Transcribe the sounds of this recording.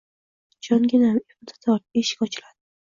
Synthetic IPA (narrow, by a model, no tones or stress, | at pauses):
d͡ʒɒŋɡʲɪnamebd̪ʰḁt̪ʰɒɾeʃɪ̥kʲɒt͡ʃʰɪlad̪̥ɪ